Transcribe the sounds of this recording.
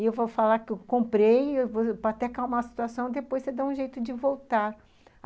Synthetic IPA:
ɪewvofalakɪewkõmpɾejvopaat̪ɛkawmaɐsi̥t̪uasɐ̃w̃d̪epojsed̪aũʒejt̪ʊd͡ʒɪvowt̪aɾ

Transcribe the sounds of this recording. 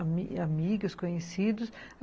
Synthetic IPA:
amiɡʊskõɲesid̪ʊs

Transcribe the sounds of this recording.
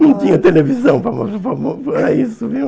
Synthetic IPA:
nɐ̃w̃t̪ĩɲɐt̪elevizɐ̃w̃pɾɐmɐpɐmpɾɐisuvĩ

